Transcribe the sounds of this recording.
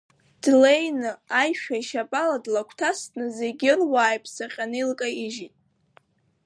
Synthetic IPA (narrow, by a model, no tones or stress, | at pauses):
d̥lejnɨajʃᶣaiʃapʼaladlakʷʰtʰastʰnɨze̞ɡʲɪrwaːjpʼʰsaqʲʼanɨjlkʼaiʒitʼ